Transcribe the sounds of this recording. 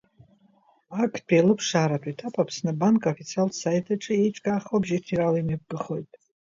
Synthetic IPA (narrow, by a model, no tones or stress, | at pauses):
akʰpʼialɨpʰʂaːɾatʷʼitʰapʼapʰsnɨbankʼofit͡sʰialsajtʰaʈ͡ʂʼɨeʈ͡ʂʼkʼaːχobʒitʰiralimap̚ɡɨχo̞jtʼ